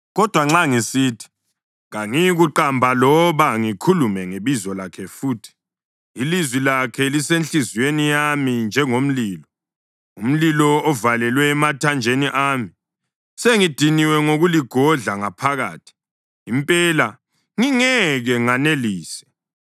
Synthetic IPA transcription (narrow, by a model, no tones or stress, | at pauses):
ɣɔd̥ʱwaŋ͡ǁaŋisiːtʰi̥ | ŋaŋiɣuǃambʱalɔβaŋikʰulumɛŋeβizɔlakʰɛfuːtʰi̥ | ilizwilakʰɛlisenɬiziwenijamind͡ʒʱɛŋom̩liːlɔ | um̩lilɔɔvalɛlwɛːmatʰand͡ʒʱeniʔaːmi | seŋid̥ʱiniwɛŋoɣuliɡ̥ʱɔɮaŋapʰaɣa̰ːtʰi̥ | impʼɛːla | ŋiŋɛɣɛŋaneliːsɛ̥